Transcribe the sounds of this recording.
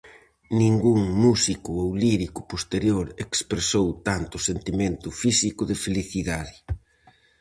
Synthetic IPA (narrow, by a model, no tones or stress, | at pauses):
nĩŋɡuŋmusikʊowliɾikʊpost̪eɾjoɾekspɾesowt̪ant̪ʊsent̪imẽnt̪ʊfisikʊðɪfeliθiðaðɪ